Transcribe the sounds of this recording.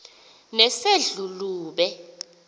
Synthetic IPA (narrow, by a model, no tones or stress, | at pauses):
nɛseɮuluːɓɛ